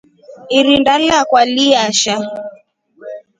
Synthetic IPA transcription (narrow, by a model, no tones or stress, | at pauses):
iɾindalakwaliaʃa